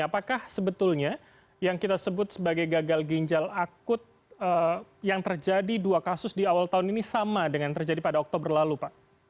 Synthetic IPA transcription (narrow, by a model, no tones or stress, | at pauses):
apakahsəbət̪ʊlɲa | jaŋkit̪asəbʊt̪̚səbaɡajɡaɡalɡiɲd͡ʒalakʊt̪̚ | əjaŋt̪ərd͡ʒadiduakasʊsdiawalt̪aʊninisamadəŋant̪ərd͡ʒadipadaɔk̚t̪obərlalupaʔ